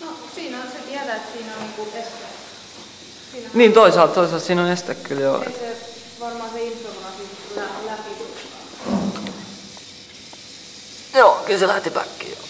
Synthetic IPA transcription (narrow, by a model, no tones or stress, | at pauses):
nosiːnæset̪iæt̪æːet̪siːnonniːŋkuest̪æ | siːnniːnt̪oisɑːˑlt̪t̪oisɑlt̪siːnonest̪ækkyljo̰ḛt̪se | ʋɑrmɑːseilsomɑsiːnkulællæpiutɑ | joːkylselæht̪ipæ̰kːḭo̰